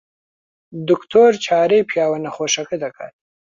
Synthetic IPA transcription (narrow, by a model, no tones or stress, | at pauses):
d̪ʊkt̪ʰoɾt͡ʃʰɑːɾepjɑːwanaxoʂakid̪akʰa̰